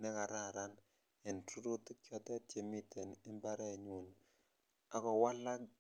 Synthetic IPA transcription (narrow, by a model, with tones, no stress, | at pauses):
nɛ˦ka˨ɾa˦˨ɾa˦n | e˨ntu˦ɾo˦to˦kjɔ˦tɛ˦tje˦mi˦tʰe˨ne˦mba˦ɾɛ˦˨ɲo˨n | a˨˦kɔ˨wa˦la˦k